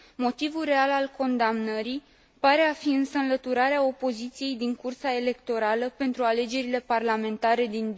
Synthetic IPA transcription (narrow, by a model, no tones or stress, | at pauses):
mo̞t̪ivulre̞alalko̞nd̪amnəɾi | paɾe̞afiɨnsəɨnlət̪uɾaɾeao̞po̞zit̪sije̞jd̪iŋkursae̞le̞kt̪o̞ɾaləpe̞nt̪ɾuale̞d͡ʒe̞ɾile̞parlame̞nt̪aɾe̞d̪in